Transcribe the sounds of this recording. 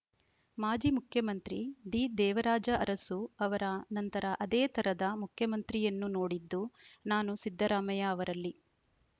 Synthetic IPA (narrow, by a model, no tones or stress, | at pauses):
maːd͡ʒimukʰjɐmɐnt̪ɾiɖid̪ɛːʋɐɾaːd͡ʒɐɐɾɐsuɐʋɐɾɐnɐnt̪ɐɾɐʔɐd̪eːt̪ʰɐɾɐd̪ɐmukʰjɐmɐnt̪ɾijɐnːuno̞ːɽid̪ːunaːnusid̪ʱːɐɾaːmɐjɐːʋɐɾɐlːi